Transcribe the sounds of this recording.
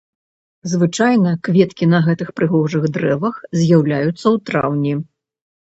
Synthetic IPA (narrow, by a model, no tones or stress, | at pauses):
zvɨt͡ʂajnɐkvʲɛt̪kʲinɐɣɛt̪ɨxpɾɨɣɔʐɨɣd̪ɾɛvɐxzʲjawlʲajut̪sːɐwt̪ɾa̰wnʲi